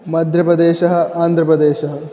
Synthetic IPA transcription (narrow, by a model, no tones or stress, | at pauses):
mɐd̪ʱjɐpɾɐd̪eːʃɐɦɐ̆aːnd̪ʱɾɐpɾɐd̪eːʃɐɦɐ